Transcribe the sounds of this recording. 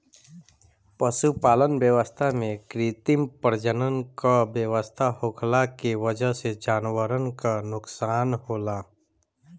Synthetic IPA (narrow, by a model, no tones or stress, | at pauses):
pəʃupaːlənbjəʋəst̪ʰamẽkɾit̪ɪmpəɾd͡ʒənənkabjəʋəst̪ʰahʊkʰlakiʋəd͡ʒəɦsed͡ʒaːnʋəɾənkanʊksaːnhoːlaː